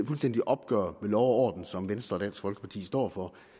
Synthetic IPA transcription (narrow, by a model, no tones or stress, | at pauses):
fulsd̥end̥iʔɒ̽b̥̚ɡ̥ɶːɐ̰ʋelɒʊɒ̰ːd̥n̩sɒ̽mʋensd̥ʁɐːdæn̰sɡ̥fɒ̽lɡ̥əpʰɑ̈t͡sʰḭːsd̥ɒ̰ːfɒ̽